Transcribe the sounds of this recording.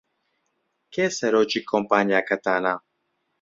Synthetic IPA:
kɛsɛɾot͡ʃikʰɔmpaɲiakat̪ana

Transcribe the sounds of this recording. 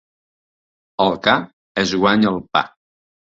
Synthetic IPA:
əlˠka | əzɣwaɲəlˠpa̰k

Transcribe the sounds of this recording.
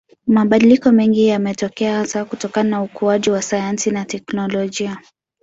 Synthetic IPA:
maɓaɗilikɔmɛŋɡijamɛtɔkɛahasakutɔkananaukuaʄiwasajansinatɛknɔlɔʄia

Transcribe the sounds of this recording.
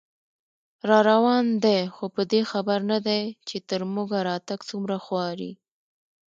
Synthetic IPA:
ɾɑɾawɑnd̪ajxopəd̪exabaɾnad̪ajt͡ʃet̪əɾmuɡaɾɑt̪aɡt͡sumɾaxwɑɾḭ

